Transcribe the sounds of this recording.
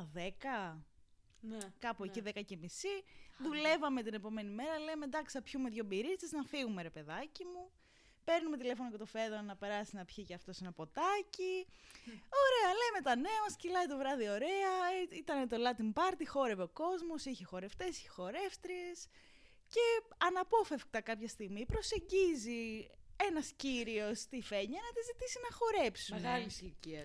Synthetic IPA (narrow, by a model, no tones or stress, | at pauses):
ðekɐ | kɐpueciðekɐcemisiðule̞vɐme̞t̪ine̞po̞me̞nime̞ɾɐle̞med̪ɐksiɐpçumeðʝobiɾist̪iznɐfiɣume̞ɾepe̞ðɐcimu | pe̞ɾnume̞t̪ile̞fo̞nocet̪o̞feðonɐpe̞ɾɐsinɐpçicɐft̪o̞senɐpo̞t̪ɐci | o̞ɾe̞ɐleme̞t̪ɐne̞ɐmɐscilɐit̪o̞vɾɐðio̞ɾe̞ɐit̪ɐnet̪o̞lɐt̪imbɐɾt̪ixo̞ɾeveo̞ko̞zmo̞siçexo̞ɾe̞ft̪e̞si̥çexo̞ɾe̞ft̪ɾies | ce̞ɐnɐpo̞fe̞fk̚t̪ɐkɐpçɐst̪iɣmipɾo̞se̞ɲɟizie̞nɐsciɾio̞st̪ife̞ɲɐnɐt̪izit̪isinɐxo̞ɾe̞psumɣɐlsiciɐ